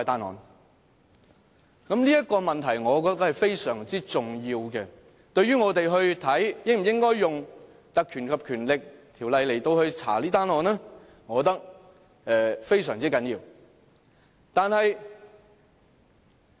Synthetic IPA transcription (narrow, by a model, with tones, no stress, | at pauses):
ɔ˧jt̪aː˥nɔ̰ː˨˧n | kɐ˨˥mliː˥jɐ˥t̚kɔː˧mɐ˨nt̪ʰɐ˨˩jŋɔː˨˧kɔː˧t̪ːɐ˥k̚hɐ˨jfe˥jsœː˨˩ŋt͡siː˥t͡sʊ˨ŋjiː˧wkɛ˧ | t̪ɵ˧ɥyː˥ŋɔː˨˧t̪e˨jɦɵ˧ɥt̪ʰɐ˨˥jjɪ˥ŋm̩˨˩jɪ˥ŋkɔː˥jjʊ˨ŋ | t̪ɐ˨kʰːyː˨˩nkʰɐ˨p̚kʰyː˨˩nlɪ˨k̚t̪ʰi˨˩wlɐ˨jle˨˩jt̪o˧whɵ˧ɥt͡sʰa̰ː˨˩liː˥t̪aː˥nɔː˨˧nlɛ˥ | ŋɔː˨˧t̪ɐ˥k̚ | ɛ˧fe˥jsœː˨˩ŋt͡siː˥kɐ˨˥njiː˧w | t̪aː˨˧nhɐ˨j